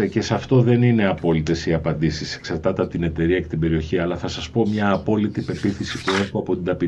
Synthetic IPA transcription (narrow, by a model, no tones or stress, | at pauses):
ce̞sɐft̪o̞ðe̞nine̞ɐpo̞lit̪e̞siɐpɐnd̪isise̥ksɐɾt̪ɐt̪ɐt̪ine̞t̪e̞ɾiɐekt̪ibe̞ɾio̞çiɐlɐθɐsɐspo̞mɲɐːpo̞lit̪ipe̞piθisipue̞xuɐpo̞t̪ind̪ɐpi